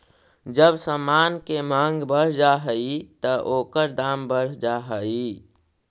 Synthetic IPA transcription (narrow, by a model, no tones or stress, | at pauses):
d͡ʒəbsamaːnkemãːŋɡbəɽ̤d͡ʒaɦəit̪əʔoːkəɾd̪aːmbəɽ̤d͡ʒaɦəi